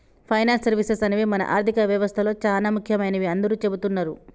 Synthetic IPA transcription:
pʰɐjnaːnsɐɾʋisesɐniʋimɐnɐ̰ʔaːɾt̪ikɐʋjɐʋɐst̪ʰɐlo̞ːt͡ʃaːlaːmukʰjɐmɐjnɐʋiɐnd̪ɐɾuːt͡ʃebut̪unːaːɾu

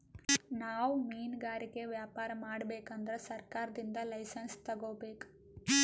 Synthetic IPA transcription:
naːwmiːnɡaːɾikeʋjaːpaːɾɐmaːɽɐbeːkɐnd̪ɐɾesɐɾkaːɾɐd̪ind̪ɐlɐjsɐnst̪ɐɡoːbeːk

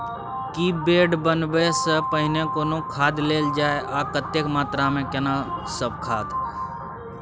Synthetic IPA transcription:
kibeːɖbənbesəpəɦɪnekoːnõkʰaːd̪leːld͡ʒaːeʔaːkət̪ːekmaːt̪ɾamẽkɛnasəb̚kʰaːd̪

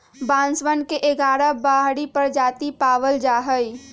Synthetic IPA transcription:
bãːnsʋənkeʔeɡaːɾəbaːɦɽipəɾd͡ʒaːt̪ipaːʋəld͡ʒaːɦəi

